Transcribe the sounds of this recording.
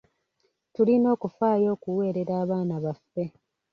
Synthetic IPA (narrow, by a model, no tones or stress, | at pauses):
tulino̞ːkufaːjo̞ːkuwe̞ːɾe̞ɾaːβaːnaβafːe̞